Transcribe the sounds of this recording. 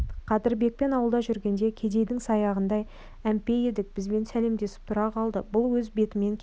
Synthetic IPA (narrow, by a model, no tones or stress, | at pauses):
qʰɑt̪ɪɾbe̞k̚pe̞nɑwəlˠd̪ɑʒʏɾɡʲe̞nd̪e̞kʲʰe̞d̪e̞jd̪ɪŋsɑjɑʁənd̪ɑj | æmpe̞jed̪ɪk̚b̥ɪzbe̞nsæle̞md̪e̞sɪ̥p̚t̪ʰʊɾɑqʰɑlˠd̪əbʊlˠwɵzbe̞t̪ɪme̞ŋkʲʰ